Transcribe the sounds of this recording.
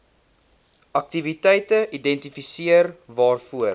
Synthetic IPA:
ɐk̚tivitɛjtəʔidɛntifisiərvɑːrfuər

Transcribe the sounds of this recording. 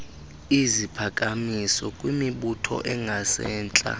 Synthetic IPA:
izipʰakʼamisɔkʼwimiɓutʰɔ̰ʔɛŋʱasɛːnt͡ɬʼa̰

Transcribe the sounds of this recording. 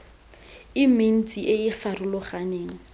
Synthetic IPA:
ɪmen̩t͡sʼiʔeɪfarʊlʊχaneːŋ̩

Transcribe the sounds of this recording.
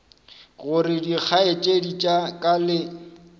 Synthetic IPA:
ɣʊrɪdik͡xʰaet͡ʃʼedit͡ʃʼakʼalɪ

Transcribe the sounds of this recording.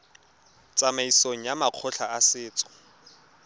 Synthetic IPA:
t͡sʼamaisoŋ̩jamaq͡χʰʊɬaasɪːt͡sʼɔ̥

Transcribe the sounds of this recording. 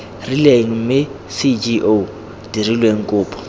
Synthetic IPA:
rileŋ̩m̩mɪ | sid͡ʒiʔo | d̥irilweŋ̩kʼʊːpʰʼɔ̥

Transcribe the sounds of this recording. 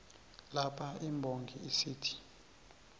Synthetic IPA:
lapʰaimbʱoŋɡʱiisiːtʰi̥

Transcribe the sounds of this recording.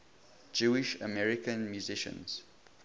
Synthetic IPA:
d͡ʒuɪʃə̰mɛɹɪkə̃nmjuzɪʃə̰̃nz̥

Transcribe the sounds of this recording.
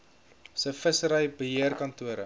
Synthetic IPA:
səfəsəɾəjbəɦiərkɐntuəɾə̰

